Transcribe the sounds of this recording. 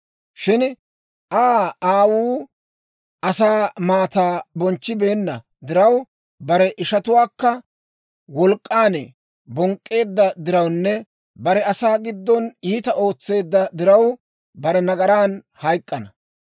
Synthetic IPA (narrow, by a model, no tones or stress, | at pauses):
ʃɪn | ʔaːaːwuː | ʔɐsaːmaːt̪aːbɔnt͡ʃːɪbe̞ːnːɐ | d̪ɪɾɐw | bɐɾɛʔɪʃɐt̪ʊwaːkːɐ | wɔlkʼːaːnɛ | bɔŋkʼːe̞ːd̪ːɐd̪ɪɾɐwnːɛ | bɐɾɛɐsaːɡɪd̪ːɔniːt̪ɐʔo̞ːt͡sːe̞ːd̪ːɐd̪ɪɾɐw | bɐɾɛnɐɡɐɾaːn | hɐjkʼːɐnɐ